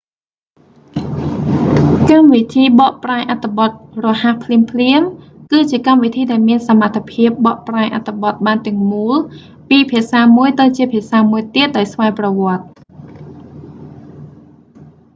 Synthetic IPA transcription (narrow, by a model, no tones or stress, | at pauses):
kamʋit̪ʰiːɓɑːʔpraɛʔat̪ʰːeɓɑt̪̚rɔhahpʰliəmpʰliəm | kɨːt͡ɕiəkamʋit̪ʰiːɗaɛlmiənsamat̪ʰːapʰiəp̚ɓɑːʔpraɛʔat̪ʰːeɓɑt̪̚ɓaːnt̪ɛ̆əŋmuːl | piːpʰiəsaːmuəjt̪ɨwt͡ɕiəpʰiəsaːmuəjt̪iət̪̚ɗaɔjsʋaɛprɑʋŏət̪̚